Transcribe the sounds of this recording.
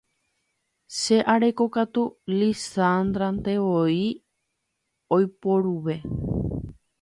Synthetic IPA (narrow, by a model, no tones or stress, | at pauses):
ʃe̞ʔaɾe̞ko̞kat̪ulisand̪ɾant̪e̞ʋoi | ojpoɾuʋe̞